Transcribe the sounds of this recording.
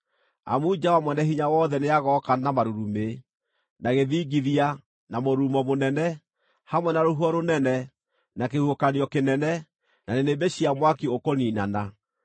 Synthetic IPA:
a̰mud͡ʒawamwɛnɛɦiɲawɔːðɛneaɣɔkanamaɾuɾume | naɣeðiːɡiðia | namoɾuːmɔmonɛnɛ | hamwɛnaɾoɦwɔɾonɛnɛ | nakehuokaniɔkenɛnɛ | nanenebeɕiamwakiokoniːnana

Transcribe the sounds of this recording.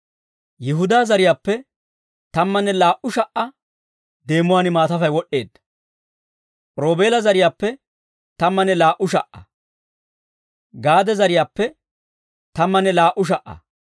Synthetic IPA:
jɪɦʊd̪aːzɐɾɪjaːpːɛ | t̪ɐmːɐnːɛlaːʔʊʃɐʔɐ | d̪e̞ːmːʊwaːnɪmaːt̪ɐfɐjwɔʔːe̞ːd̪ːɐ̥ | ɾo̞ːbe̞ːlɐzɐɾɪjaːpːɛ | t̪ɐmːɐnːɛlaːʔʊʃ̬ɐʔːɐ̰ | ɡaːd̪ɛzɐɾɪjaːpːɛ | t̪ɐmːɐnːɛlaːʔʊʃ̬ɐʔːɐ̰

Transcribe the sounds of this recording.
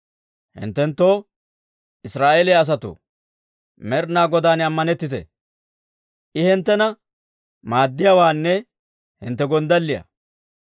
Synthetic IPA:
hɪ̰nt̪ːɛnt̪ːo̞ː | ʔɪsɾaːʔelɛjɐs̬ɐt̪ʊ̰ | mɛɾnaːɡɔd̪aːnɐmːɐnɛt̪ːɪt̪ɛ̰ | ʔɪhɪnt̪ːɛnɐ | maːd̪ːɪjawaːnːɛ | hɪ̰nt̪ːɛɡɔnd̪ɐlːɪjɐ̰

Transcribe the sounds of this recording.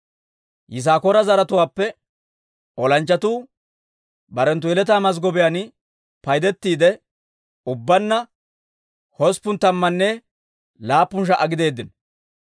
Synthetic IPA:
jɪs̬aːkɔɾɐzɐɾɐt̪ʊwaːpːɛ | ɔlɐnt͡ʃːɐt̪uː | bɐɾɛnt̪ʊɛlɛt̪̬aːmɐs̬ɡɔbɪjan | pɐjd̪ɛt̪ːiːd̪ɛ | ʊbːɐnːɐ | hɔspʊnt̪ɐmːɐnːɛ | laːpːʊnʃ̬ɐʔɐɡɪd̪e̞ːd̪ːɪn

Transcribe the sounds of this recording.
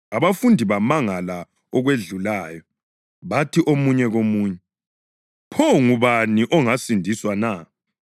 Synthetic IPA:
aβafundʱiβamaŋala | ɔɣweɮulaːjɔ | βatʰiʔomuɲɛɣomuːɲɛ | pʰɔŋuβaniʔɔŋasindʱiswana

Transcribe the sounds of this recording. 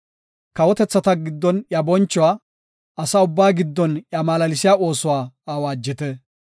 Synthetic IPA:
kɐwɔt̪ɛt͡sːɐt̪ɐɡɪd̪ːɔnjɐbɔnt͡ʃːʊwaː | ɐsaʊbːaːɡɪd̪ːɔnjɐmaːlɐlɪsɪjaʔo̞ːsʊwaːaːwaːd͡ʒːɪt̪ɛ

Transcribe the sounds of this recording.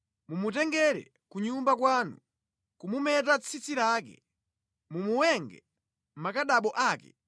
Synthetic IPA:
mumutɛŋɡɛɾɛ̰ | kuɲumbak̬waːnu | kumumɛtat͡sʰit͡siɾaːkɛ̰ | mumuwɛŋɡɛ̰ | m̩makaɗaɓɔʔaːkɛ̰

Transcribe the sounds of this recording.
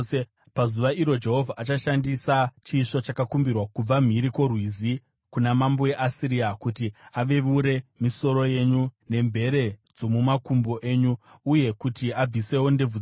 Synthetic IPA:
pazuʋaʔiɾo̞d͡ʒe̞ɦo̞vʱaʔat͡ʃaʃandisat͡ʃiːʂo̞t͡ʃakakumbirwakub͡vam̤iɾiko̞rwizi | kunamambo̞je̞ʔasiɾiakutiaʋe̞ʋuɾe̞miso̞ɾo̞je̞ɲune̞mbʱe̞ɾe̞d͡zo̞mumakumbo̞ʔe̞ːɲuuje̞kutiab͡vise̞wo̞nde̞vu

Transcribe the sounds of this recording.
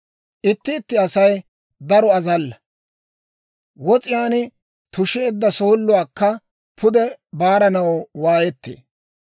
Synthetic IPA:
ʔɪt̪ːɪːt̪ːɪɐsɐj | d̪ɐɾɔɐzɐlːɐ | wɔt͡sʼɪjaːnɪ | t̪ʊʃɛːd̪ːɐsoːlːʊwaːkːɐ | pʰʊd̪ɛbaːɾɐnɐwwaːjɛt̪ːḛː

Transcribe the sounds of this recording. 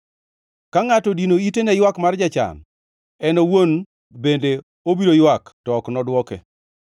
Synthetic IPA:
kaŋatɔdinoitenɛjwakmard͡ʒat͡ʃa̰n | ɛnowon | bende | obiɾojwaktɔknɔdwɔkḛ

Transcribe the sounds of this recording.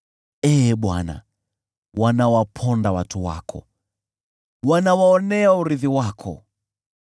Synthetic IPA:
ɛɓwa̰na̰ | wanawapʰɔndawatuwa̰kʰɔ̰ | wanawaɔnɛauɾiðiwakʰɔ̰

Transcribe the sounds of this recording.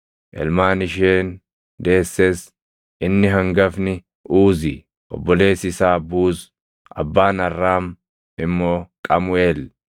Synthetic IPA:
ʔɛ̰lmaːnɪʃeːn | d̪e̞ːsːes | ʔɪnːɪɦɐŋɡɐfnɪ | ʔuːzɪ | ʔɔ̰bːɔle̞ːsɪsaːbuːs | ɐ̰bːaːnɐrːaːm | ɪmːo̞ːkʼɐmʊeːl

